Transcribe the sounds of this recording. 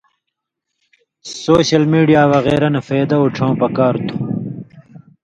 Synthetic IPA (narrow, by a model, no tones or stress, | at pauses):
soːɕɐlmiːɖijaːwɐɣeːɾɐnɐfeːd̪ɐuʈ͡ʂʰãwpɐkaːɾt̪ʰu̥